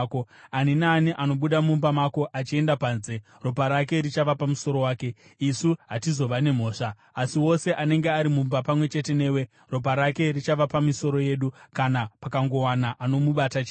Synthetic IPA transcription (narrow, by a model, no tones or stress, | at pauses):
koaninaːniʔano̞ɓuɗamumbamako̞ʔat͡ʃie̞ndapaːnze̞ | ro̞paɾak̬e̞ɾit͡ʃaʋapamuso̞ɾo̞waːke̞isuɦatizo̞ʋane̞m̤o̞ːʂaː | siwo̞se̞ʔane̞ŋɡe̞aɾimumbapamwe̞t͡ʃe̞te̞ne̞ːwe̞ | ro̞p̬aɾake̞rit͡ʃaʋapamiso̞ɾo̞je̞ːɗukanapakaŋɡo̞wanaʔano̞muɓatat͡ʃe